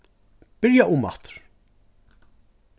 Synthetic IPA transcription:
b̥ɪɾjaʔʊmɑ̰t̪ɾ̥

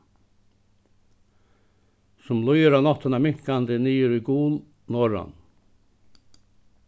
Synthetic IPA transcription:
sɔmlɔʏəɾɑːnɑt̪ənɑːmɪŋkɑnd̪əniːəɾiɡuːl | noːɾɑ̰n

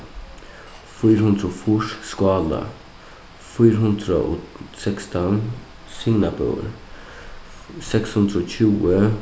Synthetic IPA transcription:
fyːɾhʉnd̪ɾofuʂskɑːlə̰ | fyːɾəɦʉnd̪ɾə̰ʔɔsɛkst̪ʰɔn | sɪŋnapʰə̰ːɾ | sɛkshʉnd̪ɾəoːçʉːə

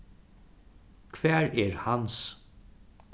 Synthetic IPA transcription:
kʰvɛːɹɛɹhans

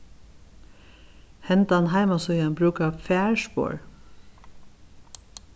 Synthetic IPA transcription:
hɛnt̪ɑɑnɦæɪmɔsɔjɑnbɾʉːkɑfæːɹʃpo̰ːɹ

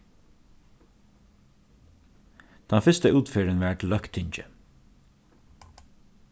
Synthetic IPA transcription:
t̪ʰɑnfɪst̪əuːt̪fɪːɾənʋɛʈlːœhkt̪ʰːɪɲt͡ʃə̰

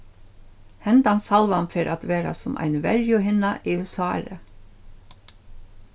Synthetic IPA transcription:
hɛnt̪ansɑlʋanfɪɾʔat̪ʋeːɾa̰sʊmʔæ̰ɪnʋɛɹjʊɦɪnaʔiːʉsɑ̰ːɾə

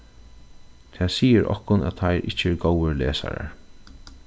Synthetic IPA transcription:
t̪ʰɛːsiːəɾʔɔ̰hkʊnæ̰tt̪ʰajɾʔɪt͡ʃəɛɾɡowəɹleːsa̰ɾa̰ɹ

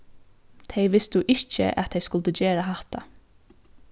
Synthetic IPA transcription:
t̪ʰeɪʋɪst̪ʊʔɪt͡ʃə̰ʔæ̰t̪ʰeɪjskʊlt̪əd͡ʒeːɾaɦaht̪a̰

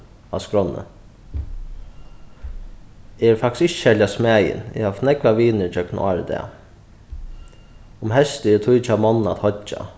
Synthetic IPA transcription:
askɾɔnːə̰ | ɛɾfakt̪skɪt͡ʃːʃɛljasmæːjɪ̰nɪ̰haft̪nɛklaʋiːnɪɾt͡ʃœkna̰ːɹəd̪ɛ̰ | ʊmɦɛst̪ɛɾt̪ʰujt͡ʃamɔnːa̰t̪hɔt͡ʃːa̰

